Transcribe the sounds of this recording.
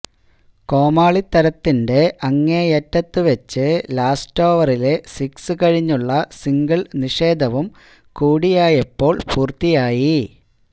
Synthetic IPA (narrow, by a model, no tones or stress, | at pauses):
ko̞ːmaːɭit̪ːɐɾɐt̪ːinde̞ʔɐŋːejetːɐt̪ːɨʋet͡ɕːɨlaːsto̞ːʋɐrile̞siksɨkɐɻiɲːuɭːɐsiŋɡɐɭniʂe̞ːd̪ʱɐʋum | kuːɽijaːjɐpːo̞ːɭpuːrt̪ːijaːji